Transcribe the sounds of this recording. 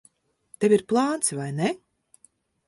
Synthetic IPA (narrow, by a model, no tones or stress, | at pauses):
t̪evʲiɾplˠɑːnt̪svajnɛ